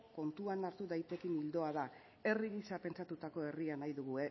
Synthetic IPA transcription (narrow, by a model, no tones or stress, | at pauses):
ko̞nt̪uanaɾt̪uðajt̪e̞kinild̪o̞aða | e̞riɣisape̞nt͡sat̪ut̪ako̞e̞rianajðuɣue